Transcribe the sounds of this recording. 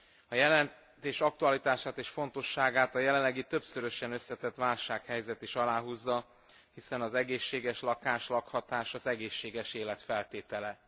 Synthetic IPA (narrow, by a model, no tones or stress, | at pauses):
ɒjɛlɛn | t̪eːʃɒk̚t̪uɒlit̪aːʃaːt̪eːʃfo̞nt̪o̞ʃːaːɡaːt̪ɒjɛlɛlːɛɡit̪ø̞bsøɾø̞ʃɛnø̞sːɛt̪ɛt̪ʋaːlʃaːkhɛjzɛt̪iʃɒlaːɦuzːɒ | hisɛnɒzɛɡeːʃːeːɡɛʃlɒkaːʃlɒkhɒt̪aːʃɒzɛɡeːʃːeːɡɛʃeːlɛt̪fɛlt̪eːt̪ɛlɛ